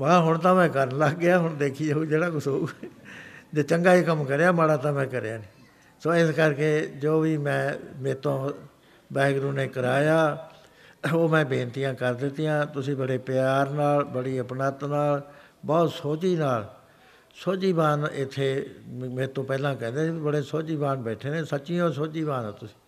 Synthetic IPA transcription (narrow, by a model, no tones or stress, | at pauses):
məaːɦʊɳt̪ãːmɛ̃ːkəɾnləɡɡɪjaːɦʊɳd̪eːkʰiːauːd͡ʒeːɽaːkʊsoːuː | d͡ʒoːt͡ʃəŋɡaːiːkəmkəɾejaːmaɽaːt̪ãːmɛ̃ːkəɾjaːniː | soːɪskəɾkeːd͡ʒoːʋiːmɛ̃ːmẽːt̪õː | bɛːɡɾũːneːkəɾaːjaː | oːmɛ̃ːbẽːnt̪ɪjãːkəɾd̪ɪt̪ɪjãːt̪ʊsĩːbəɽeːpɪjaːɾnaːlbəɽiːəpnaːt̪naːl | bɔːt̪soːt͡ʃiːnaːl | soːt͡ʃiːbaːnɪt̪ʰːeːmẽːt̪õːpɛːlãːkɛ̃ːnd̪eːsibəɽeːsoːt͡ʃiːbaːnbɛːʈʰeːnẽːsət͡ʃiːõːs̬oːt͡ʃiːbaːnãːt̪ʊsĩ̥ː